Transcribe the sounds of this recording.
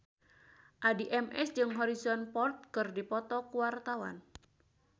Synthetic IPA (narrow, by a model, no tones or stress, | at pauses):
ʔadiʔɛmʔɛ̰sd͡ʒɨŋɦɔɾisɔnpɔrt̪̚kɨrdipɔt̪ɔkuwart̪awa̰n